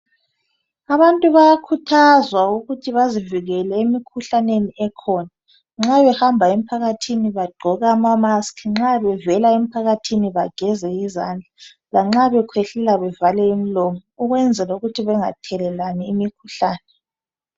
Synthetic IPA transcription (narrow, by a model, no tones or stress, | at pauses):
aβantʼuβajakʰutʰazwauɣutʰiβaziviɣɛlɛemikʰuɬaneniɛkʰɔna | ŋ͡ǁaβɛhambʱaemipʰaɣatʰiniβaɡ͡ǃʱɔɣaːmamaskʰiŋ͡ǁaβɛvɛlaemipʰaɣatʰiniβaɡ̥ʱɛzɛizand͡ɮʱa | laŋ͡ǁaβɛkʰwɛɬɛlaβɛvalɛemilɔmɔuɣwɛnd͡zʱɛlauɣutʰiβɛŋa̰tʰɛlɛlaniimikʰuɬaːnɛ